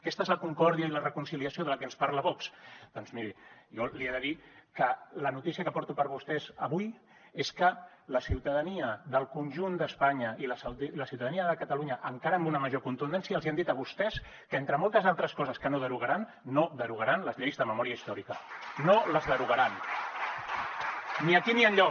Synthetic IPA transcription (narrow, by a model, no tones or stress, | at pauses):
kɛst̪aezləkuŋkɔɾðiəilərəkunsiliəsioðələkɛnspaɾləβɔksd̪̥ɔnzmiɾijɔlieðəðikələnut̪isiəkəpɔɾt̪upəɾβust̪ɛzəβuj | eskələsiwt̪əðəniəðəlˠkunʲʒund̪əspaɲəʔiləsləsiwt̪əðəniəðəkət̪əluɲəʔəŋkaɾəmbunəməʒokunt̪und̪ɛnsiəlziand̪it̪əβust̪ɛs | kəent̪ɾəmɔlˠt̪əzalˠt̪ɾəskɔzəskənoðəɾuɣəɾanː | oðəɾuɣaɾanləzʎejzðəməmɔɾiəist̪ɔɾikənoləzðəɾuɣəɾan | niəkiniəɲʎɔ